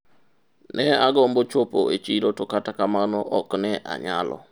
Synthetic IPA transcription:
nɛaɡɔmbot͡ʃopoet͡ʃiɾotokatakamanɔʔɔknɛʔa̰ɲa̰lɔ̰

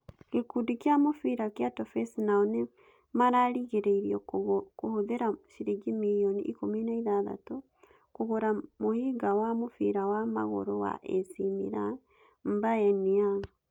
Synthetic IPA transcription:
kekudikjamofiɾakeatɔfɛsnaɔne | maɾaɾiɣeɾeiɾiɔkohoðeɾaʃiɾiɡimijɔnḭʔḭkominaiðaða̰to | koɣoɾamohiɡawamofiɾawama̰ɣɔ̰ɾɔwa̰ʔɛsimḭɾa | m̩baɛniaŋ

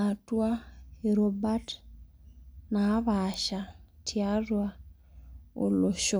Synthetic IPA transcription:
atwaheɾobat | naβaʃatʰjarwa | o̰loʃo

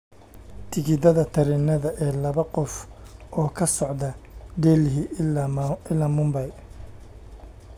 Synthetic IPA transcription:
t̪ʰɪɡɪd̪ɐðɐt̪ʰɐɾɪnɐðɐʔɛːlɐβɐqɔfɔːkʰɐsɔʕd̪ɐd̪ɛːlɦɪ | ɪlaːmʊmbɐj

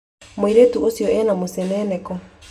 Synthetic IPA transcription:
mweɾetuosijɔɛnamosɛnɛnɛkɔ

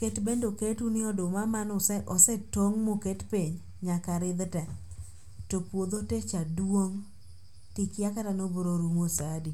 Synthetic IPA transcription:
ketbendoketunɪɔdʊmamanɔsʔɔsɛtoŋmoketpiɲ | ɲakaɾɪd̪tɛ | topwod̪otet͡ʃadwoŋ | tikɪakatanoboɾoɾumosadi

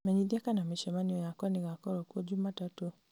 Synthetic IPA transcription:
mɛɲiðiakanamiʃɛmaniɔjakwaniɣakɔɾɔkuɔɟumatatu

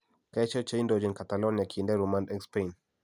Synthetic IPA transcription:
kɛt͡ʃɔt͡ʃaindɔd͡ʒinkatalɔniakʰindɛɾumãndɛkspɛn

